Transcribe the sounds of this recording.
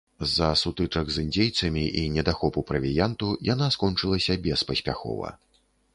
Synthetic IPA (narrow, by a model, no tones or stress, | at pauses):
zɐsut̪ɨt͡ʂɐɡzɨnʲd͡zʲejt̪sɐmʲiʔinʲɛd̪axɔpupɾɐvʲijant̪ujanaskɔnt͡ʂɨlˠɐsʲɐbʲɛspɐsʲpʲa̰xɔ̰vɐ̰